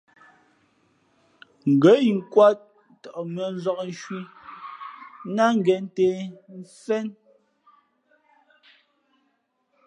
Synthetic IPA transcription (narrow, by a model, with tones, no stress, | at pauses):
ŋ̩˨ɡə˨˦i˨ŋ̩˦kwa˦t̚ | tɔ˨ʔmɥɔ˨˦n̩˦zɔ˦k̚n̩˦ʃwi˦ | na˦ŋ̩˦ɡɛ˨n˦tɛ˨n̩˦fɛ˦n